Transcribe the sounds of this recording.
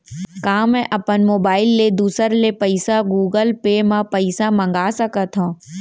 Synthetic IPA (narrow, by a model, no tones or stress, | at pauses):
kãːmɛ̃ʔɐpənmoːbaːɪlːed̪uːsəɾlepəɪsaɡuːɡəlpemãpəɪsamɐ̃ŋɡaːsəkət̪ɦõː